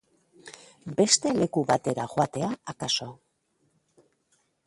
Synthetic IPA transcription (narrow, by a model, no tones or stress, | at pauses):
be̞st̪e̞le̞kuβat̪e̞ɾaxoat̪e̞aakaso